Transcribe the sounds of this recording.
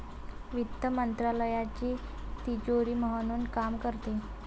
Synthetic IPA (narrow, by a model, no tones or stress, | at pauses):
ʋit̪ːəmənt̪ɾaləjat͡ɕiː | t̪id͡ʑoɾiːməɦənuːnkamkəɾt̪e